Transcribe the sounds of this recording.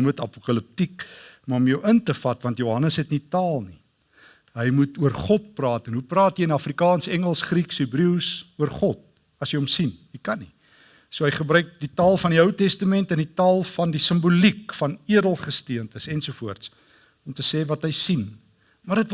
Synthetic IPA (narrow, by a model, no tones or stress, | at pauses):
mutɐ̰pukɐləp̚tikmɐɔmjœwʔəntəfɐtvɐntjoɦɐnəsɦɛtnitɑːlˠni | ɦəjmutuərχɔt̚prɑːtənɦuprɑːtjəjənɐfrikɑːnsəɛŋəlˠsχriksibɾiwsuərχɔt̚ | ɐsjəjɔmsinikɐni | suəɦəjχəbrœɥk̚ditɑːlˠfɐndiəwtɛstəmɛntənditɑːlˠfɐndisəmbulikfɐniədəlˠχəstiəntəsɛnsuəfuərts | ɔmtəsɛːvɐtɦəjsin | mɐrdət